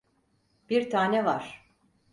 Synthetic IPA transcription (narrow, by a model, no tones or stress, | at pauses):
b̥iɾt̪ʰaːnɛvaɾ̥